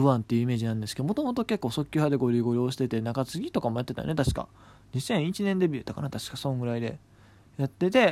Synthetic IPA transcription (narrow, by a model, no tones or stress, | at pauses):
ɯ̟ãnt̪ːe̞jɯ̟ime̞ːd͡ʑinãnd̪esɨ̥ked̪omo̞t̪o̞mo̞t̪o̞ke̞kːo̞ːso̞kʲːɨhad̪e̞ɡo̞ɾʲiɡo̞ɾʲo̞ːɕi̥t̪e̞t̪e̞naɡat͡sɨɡʲit̪o̞kamojat̪ːet̪a̰j̰ne̞t̪̬aɕi̥ka̰ | ɲ̟isẽ̞ɰ̃it͡ɕinẽ̞nd̪e̞bʲɯ̟t̪aka̰nat̪aɕi̥kasõ̞ŋɡɯ̟ɾaid̪e̞̰ | jat̪ːe̞t̪e̞